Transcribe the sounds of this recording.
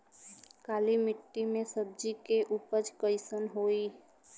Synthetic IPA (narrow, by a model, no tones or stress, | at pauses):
kaːlimɪʈːimẽsəb̚d͡ʒikeʔupəd͡ʒkəɪsənɦoi